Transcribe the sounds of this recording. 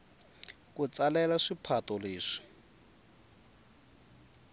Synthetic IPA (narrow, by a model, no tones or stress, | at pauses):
kut͡salɛlaʂipʰatɔleːʂi̥